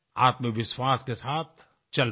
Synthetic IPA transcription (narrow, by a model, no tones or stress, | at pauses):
aːt̪məkʋɪʃwaːskesaːt̪̚ʰ | t͡ʃɐl